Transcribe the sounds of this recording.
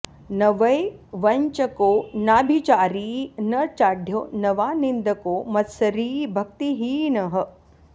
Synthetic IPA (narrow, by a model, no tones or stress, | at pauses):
nɐʋɐjʋɐɲt͡ʃɐkoːnaːbʱit͡ʃaːɾiːnɐt͡ʃaːɖʱjoːnɐʋaːnind̪ʱɐkoːmɐt̪sɐɾiːbʱɐk̚t̪iɦiːnɐɦɐ̆